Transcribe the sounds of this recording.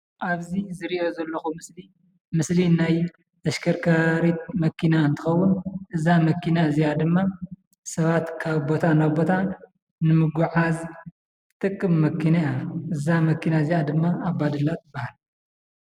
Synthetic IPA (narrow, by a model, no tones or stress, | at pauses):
ʔaβzizɨɾiʔo̞zɐlːɐxumɨsli | mɨslinaj | ʔɐʃkʰɐɾkʰɐɾit̪̚mɐkʰinaɨnt̪ʰɨ̥xɐwːʊnʔɨzamɐkʰːinaɨzijad̪ɨmːa | sɐβat̪kʰaβbo̞t̪ʰanabo̞t̪ʰa | nɨmɨɡuʕaz | t̪ʼɨkʼːɨmːɐkʰinajaʔɨzamɐkːinaɨzijad̪ɨmːaːbad̪ɨlːat̪ɨbahal